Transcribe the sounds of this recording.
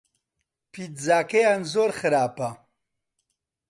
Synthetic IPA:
pʰit̪zaːkejanzoɾχəɾaːpa

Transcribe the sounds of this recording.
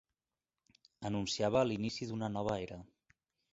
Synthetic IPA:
ənunsiaβ̞əːlinisiðunənɔβ̞əeɾə

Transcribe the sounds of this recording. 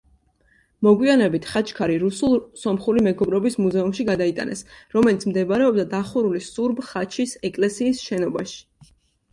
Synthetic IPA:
mɔɡwianɛbit̪ʰχat͡ʃʰkʰaɾiɾusulˠsɔmχulimɛɡɔbɾɔbismuzɛumʃiɡad̪ait̪ʼa̰nɛsɾɔmɛlit̪sʰmd̪ɛbɾɛɔb̚d̪ad̪aχuɾulisuɾbχat͡ʃʰisɛkʼlɛsiːsʃɛnɔbaʃi̥

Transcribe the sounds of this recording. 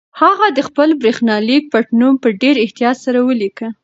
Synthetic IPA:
haɣad̪əxpəlbɾexnɑlik̚paʈnumpəɖeɾɪht̪ijɑt̪saɾawəlikə

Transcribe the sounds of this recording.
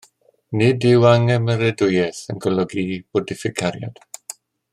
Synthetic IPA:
nɪdɪwaŋɛməɾɛdʊjɛθənɡɔlɔɡib̥ɔdɪfɪkʰaɾja̰d̥

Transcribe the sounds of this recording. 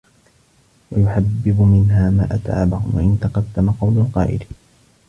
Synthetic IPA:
wajʊħabːɪbʊmɪnɦaːma̰ːʔat̪ʕa̰ːbahʊ̰mwa̰ʔɪnt̪ɑqɑd̪ːamaqɑwlʊqɑ̰ːʔɪ̰l

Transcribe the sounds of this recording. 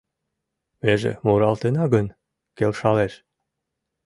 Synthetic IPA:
βeʒḛmuɾɑlt̪enɑɡən | kelʃɑleʃ

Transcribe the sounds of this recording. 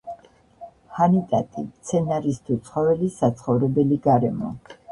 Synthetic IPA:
hanit̪ʼat̪ʼit̪sʰɛnaɾist̪ʰut̪sʰχɔvɛlisat̪sʰχɔvɾɛbɛliɡaɾɛmɔ̰

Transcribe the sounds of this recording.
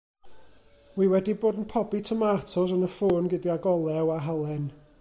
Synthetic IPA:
wiwɛdiboːdən̩pʰɔbitʰəmatʰɔsənəfoːnɡɪdiaɡɔlˠɛwaɦalˠɛn

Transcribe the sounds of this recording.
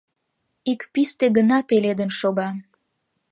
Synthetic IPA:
ikpist̪eɣənɑpeled̪ənʃoɣɑ

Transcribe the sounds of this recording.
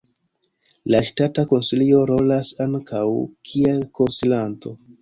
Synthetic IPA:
laʃtatako̞nsilio̞ɾo̞lasaŋkʰawkʰielko̞nsilanto̞

